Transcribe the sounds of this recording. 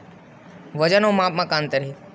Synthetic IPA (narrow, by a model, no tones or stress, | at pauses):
ʋəd͡ʒənõːmãːp̚mãːkãːnt̪əɾeː